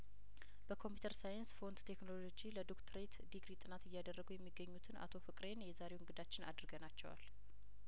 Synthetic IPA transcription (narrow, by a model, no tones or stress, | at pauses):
b̥əkʰo̞mpʰjut̪ʰəɾsajənsfo̞nd̪t̪ʰe̞knolo̞d͡ʒiləd̪okt̪ʰɾet̪d̪iɡɾit̪ʼɨnat̪ɨjːad̪ərːəɡujɛmːiɡːəɲːut̪ʰɨna̰t̪ʰo̞fɨkʼɾe̞njɛzaɾe̞wɨŋɡɨd̪at͡ʃːɪna̰d̪ɾɡənat͡ʃːɛwa̰l